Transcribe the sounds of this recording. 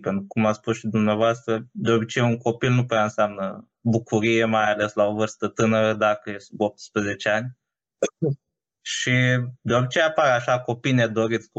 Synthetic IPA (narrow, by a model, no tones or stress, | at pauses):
pent̪ɾukumat̪spusʃid̪umneavoast̪ɾəd̪eobʲit͡ʃejuŋko̞pilnupuaɨnseamnə | bukuɾije̞majale̞slaovɨrst̪ət̪ɨnəɾəd̪akəjesop̚t̪spɾeze̞t͡ʃeanʲ | ʃid̪eobit͡ʃejapaɾeaʃako̞pined̪o̞ɾit̪sk